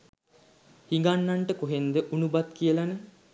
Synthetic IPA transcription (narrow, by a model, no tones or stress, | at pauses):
hiŋɡanːaɳʈəkoɦend̪əʔunubat̪kiəlanə